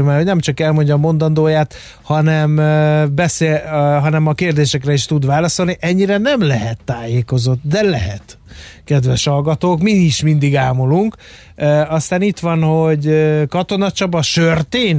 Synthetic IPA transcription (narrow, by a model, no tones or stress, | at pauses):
maːhonɛmt͡ʃɒkɛlmo̞ɲɟɒmo̞nd̪ɒnd̪oːjaːt̪ | hɒnɛmbɛseɦɒnɛmɒkeːrd̪eːʃɛkrɛiʃt̪ud̪ʋaːlɒso̞lniʔɛɲːiɾɛnɛmlɛɦɛt̪ːaːjeːko̞zo̞t̪d̪ɛlɛɦɛt̪ | kɛd̪ʋɛʃhɒlɡɒt̪oːkmiiʃmind̪iɡaːmoluŋkː | ɒst̪aːnit̪ʋɒnho̞ɟkɒt̪o̞nɒt͡ʃɒbɒʃørt̪eːn